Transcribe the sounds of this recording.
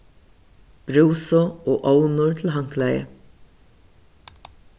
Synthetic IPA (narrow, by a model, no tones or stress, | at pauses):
b̥ɾuwsɔɔːʔownʊɹt̪ʰɪl̩ɦaŋ̥klajə̰